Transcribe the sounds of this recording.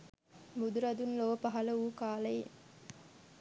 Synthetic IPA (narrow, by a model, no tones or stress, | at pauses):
bud̪uɾɐd̪unloʋəpɐɦɐləuːkaːlɐe